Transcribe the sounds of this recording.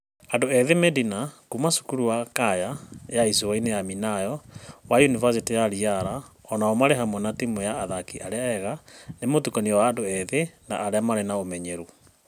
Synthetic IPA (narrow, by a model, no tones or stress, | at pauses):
adoɛðemedinakumasu̥kuɾuakajajaisowainejaminajɔwajunivas̬itijaɾiaɾaɔnaɔmaɾeɦamwɔnatimojaːðakiʔaɾeaɛɣanemotukɔniɔwaːndoɛðena̰ʔːɾeamaɾenaomɛɲɛɾu